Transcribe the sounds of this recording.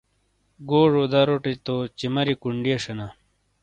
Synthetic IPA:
ɡoːʐod̪ɐɾoʈit̪ot͡ɕimɐɾikuɳɖijeʂɐna

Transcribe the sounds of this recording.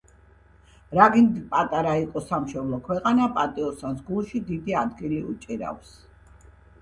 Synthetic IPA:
ɾaɡind̪ipʼat̪ʼaɾaiqʼɔsamʃɔblˠɔkʰwɛqʼanapʼat̪ʼiɔst̪ʰansɡulˠʃid̪id̪iad̪ɡiliṵt͡ʃʼiɾa̰fs

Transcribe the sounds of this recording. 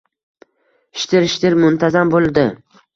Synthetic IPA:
ɪʃt̪ʰɪɾɪʃt̪ɪɾmʊnt̪ʰazambolˠd̪ɪ

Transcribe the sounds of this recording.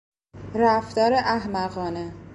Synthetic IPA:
ɾæft̪ɒːɾeʔæɦmæɣɒːne

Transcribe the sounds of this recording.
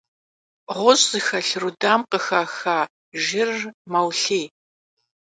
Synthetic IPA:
ʁʷʊɕʼzɨxɐɬrudaːmqəxaxaː | ʒɪrmɐwɬeː

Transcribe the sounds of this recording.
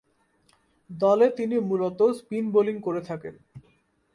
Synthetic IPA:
d̪ɔlet̪inimulot̪ospinboliŋkoɾet̪ʰaken

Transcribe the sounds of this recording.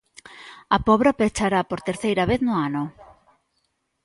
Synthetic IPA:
ɐpɔβ̞ɾapet͡ʃaɾapoɾt̪eɾθejɾɐβeθnʊanʊ

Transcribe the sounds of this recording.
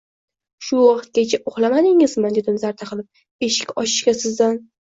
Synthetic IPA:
ʃʊwɒqɨt̪̚kʲat͡ʃʰaʔʊχlˠamad̪ɪŋɪzmad̪e̞d̪ɪmzaɾt̪ʰaqʰɨlˠɪp̚ | e̞ʃɪ̥kʲɒʃɪ̥ʃkʲasɪzd̪an

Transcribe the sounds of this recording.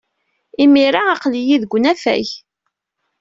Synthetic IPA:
imiɾaɑqlijiðɡʷnæfæ̰ç

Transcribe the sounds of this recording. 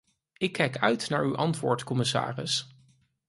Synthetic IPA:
ɪkʰːɛjkœɥtnaːɹywʔɑntʋʊ̰ːɹtkɔmɪsa̰ːrɪ̰s

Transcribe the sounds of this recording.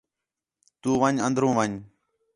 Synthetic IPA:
t̪uːʋəɲə̃nd̪ɾũːʋəɲ

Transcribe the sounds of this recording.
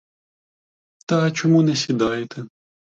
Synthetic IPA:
t̪ɐːt͡ʃɔmunɛsʲid̪ɑjɪt̪ʰɛ

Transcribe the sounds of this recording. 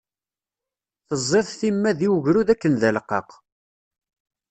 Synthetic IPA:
θəzˤːeðˤθimːæðiwəʝɾuðækːənðælqːɑ̰q

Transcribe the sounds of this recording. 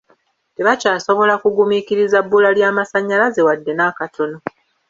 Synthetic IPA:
teβacaːso̞βo̞lakuɡumikiɾizabːulaljaːmasaɲːalaze̞wadːe̞naːkatʰo̞no̞

